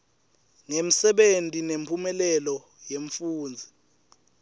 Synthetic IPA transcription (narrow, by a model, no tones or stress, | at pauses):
ŋem̩sɛɓentʼinempʰumɛlɛlɔ | jeɱfuːnd͡zʱi